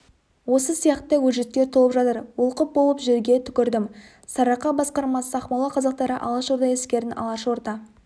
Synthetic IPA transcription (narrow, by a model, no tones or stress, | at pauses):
wo̞səsijɑqt̪əwɵʒe̞t̪̚kʲːe̞ɾt̪ʰolˠəpʒɑt̪əɾwʊlˠqəp̚bolˠəpʒeɾɡʲe̞t̪ʰʏ̥kʲɪɾd̪ɪm | sɑɾɑqːɑbɑsqɑɾmɑsɑχmɑlˠɑqʰɑzɑq̚t̪ɑɾəʔɑlˠəsʒoɾd̪ɑjeskʲe̞ɾɪnʔɑ̰lˠɑʃwoɾt̪ɑ